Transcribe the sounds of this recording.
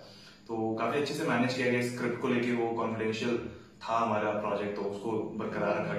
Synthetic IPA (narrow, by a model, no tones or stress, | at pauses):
t̪oːkaːfiɐtːʃʰesemɛːneːd͡ʒkijaɡɛaɪskɾɪp̚ʈkoleːkeʋokɔːnfɪɖɛ̃ːnʃijəl | t̪ʰaɦɐmaːɾapɾɔːd͡ʒɛk̚ʈɔːʊskobɐɾkəɾaːɾɐa